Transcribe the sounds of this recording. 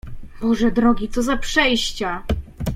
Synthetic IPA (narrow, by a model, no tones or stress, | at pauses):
bɔʐɛd̪ɾɔɡʲit̪sɔzapʂɛjɕt͡ɕa